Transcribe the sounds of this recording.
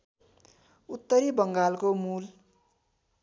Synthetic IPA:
ut̪ːʌɾibʌŋɡalkomul

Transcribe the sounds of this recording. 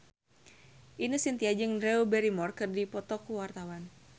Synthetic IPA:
ʔinəsint̪iad͡ʒɨŋrɛubɛɾimɔrkɨrdipɔt̪ɔkuwart̪awan

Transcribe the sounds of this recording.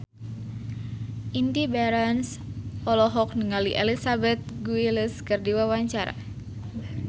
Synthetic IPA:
ʔind̪ibaɾansɔlɔɦɔk̚nəŋaliʔelisabɛt̪̚ɡuiləskɨrdiwawaɲt͡ʃaɾa̰

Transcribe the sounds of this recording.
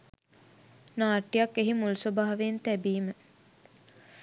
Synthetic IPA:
naːʈːijakːeɦimulsobaːʋent̪æbiːmə

